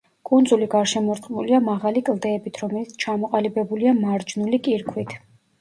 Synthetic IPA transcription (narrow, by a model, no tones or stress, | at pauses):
kʼund̪zuliɡaɾʃɛmɔɾt̪ʼqʼmuliamaʁalikʼlˠd̪ɛːbit̪ʰɾɔmɛlit̪sʰt͡ʃʰamɔqʼalibɛbuliamaɾd͡ʒnulikʼiɾkʰwit̪ʰ